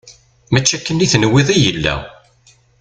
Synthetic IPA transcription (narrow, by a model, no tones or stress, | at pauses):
mæt͡ʃːækːənːiθnəwːeðˤijəlːæ̰